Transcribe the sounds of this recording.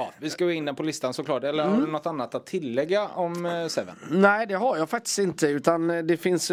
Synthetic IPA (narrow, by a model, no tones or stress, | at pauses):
ɑːvɪskaɡoːɪnd̪ɛnpʰɔlɪst̪ansɔklɑːʈɛlːəɾhaɖɵnɔt̪ːanːat̪at̪ʰːɪlːɛɡːaɔmsɛvə̰nnæɪd̪ɛɦaɾjɑːfak̚t̪ɪ̥st̪ɪnt̪əʉ̟ːt̪and̪ɛfɪns